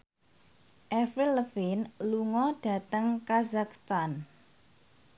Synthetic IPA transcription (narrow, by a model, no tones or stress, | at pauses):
ʔɛfiləfinluŋɔɖ̥ä̤t̪əŋkazakst̪an